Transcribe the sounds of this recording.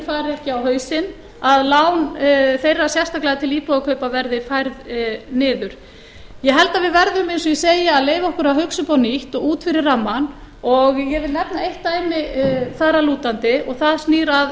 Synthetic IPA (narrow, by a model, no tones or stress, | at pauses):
faːɾɛhcɪawhœːɥsɪn | aðlawnθejrːasjɛfst̪aklɛɣat̪ʰɪliːpɔðakʰœɥpavɛɾðɪfajɾðnɪːðʏɾ̥ | jɛɦɛlt̪aðvɪðvɛɾðʏmejnsɔjɛseːjɪaðleːjvaɔhkʏɾaɦʏksʏpaːwniht̪ɔɣuːt̪fɪɾɪɾramːan | ɔɣjɛvɪlnɛpnaejht̪ːaːjmɪθaɾaluːt̪ant̪ɪɔɣθaðsniːɾað